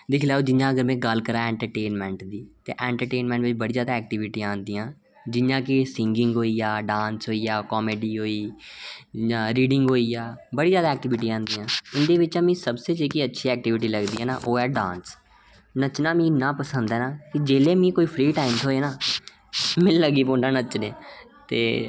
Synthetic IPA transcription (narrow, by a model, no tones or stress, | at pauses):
d̪ɪkʰlaːoːd͡ʒɪjãːəɡəɾmɛ̃ːɡəlkəɾaːɛ̃ːɳʈəɾʈeːnmɛ̃ːɳʈd̪iːt̪eːʔɛ̃ːɳʈəɾʈeːnmɛ̃ɳʈʋɪt͡ʃbəɽiːzaːd̪aːɛːk̚ʈɪʋɪʈiːãːnd̪iːãː | d͡ʒɪjãːkɪsɪ̃ŋɡɪ̃ŋɡɦoːiːaːɖãːnsɦoːiːaːkɔːmeːɖiːɦoːiː | aːɾiːɖɪŋɡɦoːiːjaːbəɽiːzjaːd̪aːɛːk̚ʈɪʋɪʈ̬iːãːnd̪iːãːɪnd̪eːʋɪt͡ʃãːmĩːsəbseːt͡ʃeːkiːətːʃʰiːɛːk̚ʈɪʋɪʈiːləɡd̪iːɦɛːnaːʔoːɛːɖã̰ːns | nət͡ʃnaːmĩːnãːpəsənd̪ɛːnaːkɪd͡ʒeːleːmĩːkoːiːpʰɾiːʈaːɪmsoːeːnaː | mɪlːəɡiːpõːɳɖãːnət͡ʃneːt̪ḛː